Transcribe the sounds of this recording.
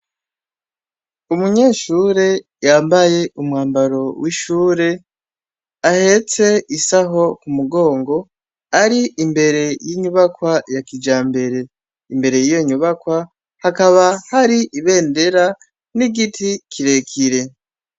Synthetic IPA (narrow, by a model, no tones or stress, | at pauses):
umuɲe̞ːʃuɾe̞ | jaːmbaje̞ʔumŋaːmbaɾo̞wʔiʃuːɾe̞ | ahe̞t͡se̞isaɦo̞kumuɡo̞ːŋɡo̞ | aɾiimbe̞ɾe̞jiːɲuβakwajakid͡ʒaːmbe̞ɾe̞ | imbe̞ɾe̞jijoɲuβakwa | hakaβahaɾiʔiβe̞ːnde̞ɾa | niɡitʰikʰiɾe̞kʰiɾe̞